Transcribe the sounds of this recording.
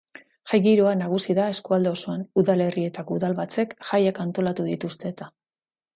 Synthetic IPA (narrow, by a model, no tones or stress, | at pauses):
ʝajɣiɾoanaɣ̞usiðae̞skuald̪eo̞suanuðale̞rie̞t̪akuðalβat͡se̞kʝajakant̪o̞lat̪uðit̪ust̪e̞ːt̪a